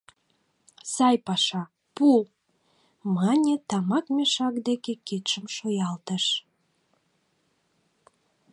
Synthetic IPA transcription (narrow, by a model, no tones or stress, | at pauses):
sɑjpɑʃɑ | pul | mɑnʲet̪ɑmɑkmʲeʃɑkd̪ekeket̪ʃəmʃojɑlt̪əʃ